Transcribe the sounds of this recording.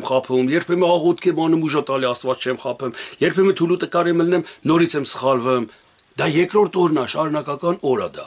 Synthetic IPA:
mχɑpʰumjɛɾpʰɛmɛɑʁɔt̪̚kʰɛmɑnumuʒɑt̪ɑliɑst̪vɑt͡st͡ʃʰɛmχɑpʰɛmjɛɾpʰɛmɛt̪ʰulut̪əkɑɾɛməlnɛmnɔɾit͡sʰɛmsə̥χɑlvum | d̪ɑjɛkɾɔɾt̪ʰɔɾnɑʃɑɾunɑkɑkɑnɔɾɑ̰d̪ɑ̰

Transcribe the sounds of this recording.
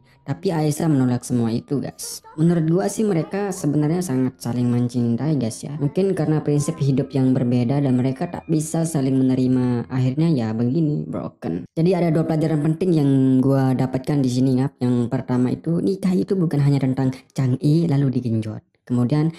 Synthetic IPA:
t̪apiaisamənolaksəmuait̪uɡa̰smənuɾʊt̪̚ɡuasɪhməɾekasəbənarɲasaŋat̪̚salɪŋməɲt͡ʃint̪aiɡasja̰muŋkɪnkaɾənapɾinsɪp̚hidʊp̚jaŋbərbedadanməɾekat̪a̰ʔbisasalɪŋmənəɾimaaɦirɲajabəɡinibɾo̰kə̰nd͡ʒadiadaduapəlad͡ʒaɾanpənt̪ɪŋjaŋɡuadapat̪̚kandis̬iniŋap̚jaŋpərt̪amaḭt̪unikait̪ubukanɦaɲat̪ənt̪aŋt͡ʃaŋilaludiɡəɲd͡ʒɔ̰t̪̚kəmudian

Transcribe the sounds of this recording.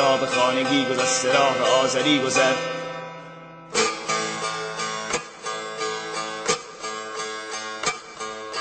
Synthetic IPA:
ɒːbexɑːneɡiːɡozast̪eɾɔːɦeɒːzæɾiːɡozæ

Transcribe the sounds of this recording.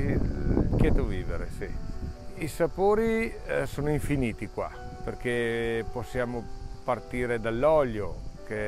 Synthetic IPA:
ket̪oviːvḛɾesi | isapoːɾisoːnoiɱfiniːt̪ikwa̰perk̟eposːjaːmopart̪iːɾed̪alːɔʎjoke

